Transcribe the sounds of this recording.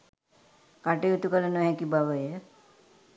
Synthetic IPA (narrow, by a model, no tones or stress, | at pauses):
kaʈejut̪ukələnəʋɦɛkibaʋəjə